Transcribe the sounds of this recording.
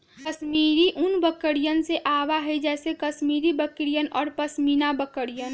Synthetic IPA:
kəsmiːɾiʔʊnbəkːəɽijənseʔaːwaɦɛid͡ʒɛːsekəsmiːɾibəkɾijənɔːɾpəsmiːnabəkəɽijən

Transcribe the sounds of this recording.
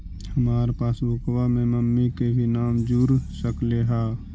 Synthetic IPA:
həmaːɾepaːsbʱʊkwamẽməmːikebʱinaːmd͡ʒuɾsəkleɦaː

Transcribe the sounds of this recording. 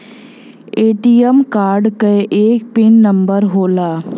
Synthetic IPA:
eːʈijəmkaːɾɖkəʔeːk̚pɪnːəmbəɾɦoːlaː

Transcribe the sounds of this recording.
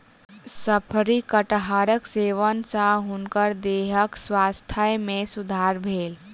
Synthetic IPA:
səpʰɾikəʈɦaːɾəkseːʋənsaɦʊnkəɾd̪eːɦəkswaːst̪ʰəjmẽsʊd̪ʱaːɾbʱeːl

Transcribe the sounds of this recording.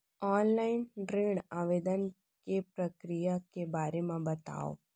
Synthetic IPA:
ɔːnlaːɪnɖɾeːɽaːʋeːd̪ən | kepɾəkɾijakebaːɾemãbət̪a̰ːo̰

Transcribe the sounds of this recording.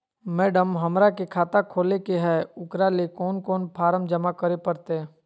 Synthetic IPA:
mɛːɖəmɦəmɾakekʰaːt̪akʰoːlekeɦɛʊkɾalekɔːnkɔːnpʰaːɾəmd͡ʒəmakəɾepəɾt̪e

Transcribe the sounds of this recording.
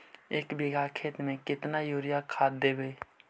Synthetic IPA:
eːkbɪɡʱakʰeːt̪mẽkɪt̪najoːɾɪjakʰaːd̪ːeːbeː

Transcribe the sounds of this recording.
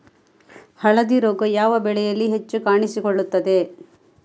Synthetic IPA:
hɐɭɐd̪iɾoːɡɐjaːʋɐbɛɭɛjɐlːiɦet͡ʃːukaːɳisikoɭːut̪ːɐd̪e̞

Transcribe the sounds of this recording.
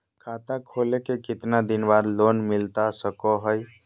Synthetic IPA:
kʰat̪akʰolekekɪt̪nad̪inbad̪lonmilt̪asəkɔɦəj

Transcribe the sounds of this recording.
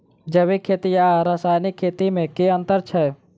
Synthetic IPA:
d͡ʒəʋekʰːeːt̪ijaɾəsaːjnɪkʰːeːt̪imẽkeə̃nt̪əɾt͡ʃʰɛː

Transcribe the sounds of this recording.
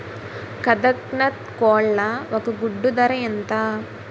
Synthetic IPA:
kɐd̪ɐknɐt̪̚koːɭːɐʋɐkuɡuɖːud̪ɐɾɐjɐnt̪ɐ

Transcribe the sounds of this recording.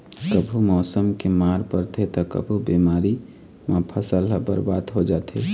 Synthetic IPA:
kəbʱumɔːsəmkemaɾpəɾt̪ʰet̪ɔkə̰bʱubimaɾi | mapʰəsəlɦəbə̰ɾbad̪ɦod͡ʒat̪ʰḛ

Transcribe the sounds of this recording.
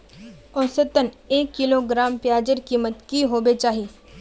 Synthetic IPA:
ɔ̃ːsət̪əneːkːɪloɡɾaːmpjaːd͡ʒəɾkiːmət̪kiɦoːbet͡ʃaːɦiː

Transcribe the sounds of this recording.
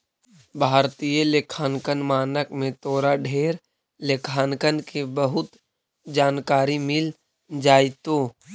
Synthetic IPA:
bʱaːɾt̪ijəlekʰaːnkənmaːnəkmẽt̪oːɾaɖʱeːɾ | lekʰaːnkənkebəɦʊt̪ | d͡ʒaːnkaːɾimɪl | d͡ʒaːɪt̪oː

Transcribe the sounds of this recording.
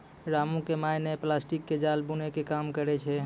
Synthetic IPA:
ɾamũkemajneplasʈikːed͡ʒalbunekekamkəɾɛt͡ʃʰɛ

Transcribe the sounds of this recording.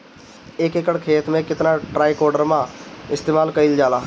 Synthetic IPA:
eːkeːkəɽkʰeːt̪mẽkɪt̪naʈɾaːikɔːɾɖəɾmãɪst̪eːmaːlkəild͡ʒaːlaː

